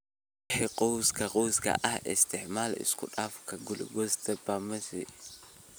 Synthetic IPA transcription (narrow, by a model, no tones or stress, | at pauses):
ħɛqʼɔwskɐqʼɔwskɐ̰ʔɐhɪst̪ɪħmaːlɪ̰skʊ̰ᶑafkɐɡʊlɡɔst̪ɐbamɐsɛ